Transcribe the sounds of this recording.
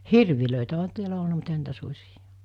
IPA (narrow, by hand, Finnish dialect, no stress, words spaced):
hirʋiløˑitæ oɦɑ tiælæ olnɑ mut ehæn̆ niːtæ susʲij̊ɑ̥